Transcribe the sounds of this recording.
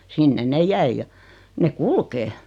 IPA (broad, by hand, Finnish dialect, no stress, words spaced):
sinːen ne jæij jɑ ne kulkeː